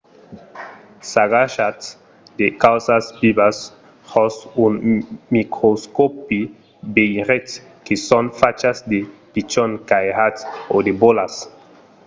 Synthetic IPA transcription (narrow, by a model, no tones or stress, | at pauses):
saɡaʃat | dekawsasbibas | hɔsunmikɾoskopi | bejʁet̪ | kesɔ̃nfat͡ʃasd̪epit͡ʃɔnkajhatodebolas